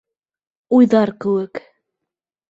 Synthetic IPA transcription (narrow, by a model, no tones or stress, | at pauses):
ujðɑɾkɘwɘk